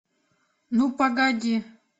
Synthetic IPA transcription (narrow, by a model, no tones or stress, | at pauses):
nupaɡadʲi